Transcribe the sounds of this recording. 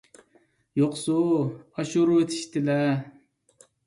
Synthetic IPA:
joqsuɑʃuɾuet̪ʰɪ̥ʃt̪ɪlɛ

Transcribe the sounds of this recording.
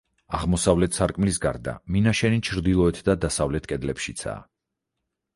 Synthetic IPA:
aʁmɔsavlɛt̪ʰsaɾkʼmlisɡaɾd̪a̰minaʃɛnit͡ʃʰɾd̪ilˠɔɛt̪ʰd̪ad̪asavlɛt̪ʰkʼɛd̪lɛpʃit̪sʰa̰ː

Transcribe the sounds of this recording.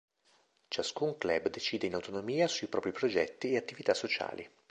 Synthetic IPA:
t͡ʃaskuŋklɛbːd̪et͡ʃiːd̪einawt̪onomiːasuipɾɔːpɾipɾod͡ʒɛt̪ːieat̪ːivit̪asːot͡ʃa̰ːlḭ

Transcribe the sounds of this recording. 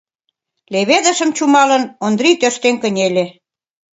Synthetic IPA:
leβed̪ə̆ʃə̆mt͡ɕumɑlə̆nond̪ɾit̪øʃt̪eŋkə̆nʲelʲe

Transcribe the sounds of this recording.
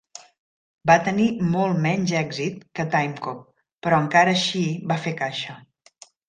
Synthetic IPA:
bat̪ənimɔlˠmɛɲʲzɛɡzit̪̚kət̪ajmkop̚ː | əɾɔəŋkaɾəːʃibafekaʃə

